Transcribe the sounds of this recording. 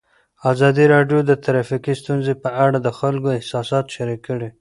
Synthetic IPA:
azɑd̪iɾɑɖjod̪ət̪aɾafikist̪unzepəaɽad̪əxalkoɪhsɑsɑt̪ʃaɾikːəɽi

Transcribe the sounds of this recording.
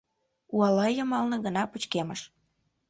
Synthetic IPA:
uɑlɑjəmɑlnə̆ɣənɑput͡ɕkeməʃ

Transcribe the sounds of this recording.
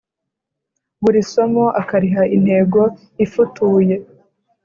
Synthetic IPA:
βuɾiso̞moʔakaɾiɦain̥he̞ːɡo̞ | ifutuːje̞

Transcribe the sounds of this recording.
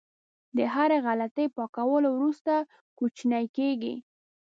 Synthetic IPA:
d̪əɦaɾeɣalat̪əjpɑkawəlowɾust̪a | kut͡ʃnajkeɡḭ

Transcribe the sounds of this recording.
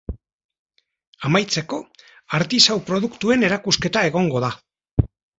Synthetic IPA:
amajt͡se̞ko̞ | aɾt̪isawpɾo̞ðukt̪ue̞ne̞ɾakuske̞t̪ae̞ɣ̞o̞ŋɡo̞ða

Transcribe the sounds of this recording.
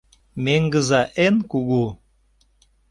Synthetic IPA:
meŋɡəzɑʔenkuɣu

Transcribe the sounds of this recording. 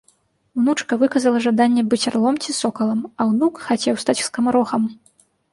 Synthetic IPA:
wnut͡ʂkɐvɨkɐzɐlˠɐʐad̪anʲːɛbɨt͡sʲarlˠɔmt͡sʲisɔkɐlˠɐmɐwnukxat͡sʲɛwst̪at͡sʲskɐmaɾɔxɐm

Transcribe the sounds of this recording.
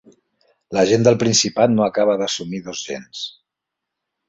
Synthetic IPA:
ləʒend̪əlˠpɾinsipat̪noakaβ̞əðəsumiðozʒḛns

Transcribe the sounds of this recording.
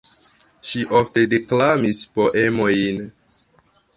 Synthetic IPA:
ʃiʔofte̞deklamispoʔemo̞jn

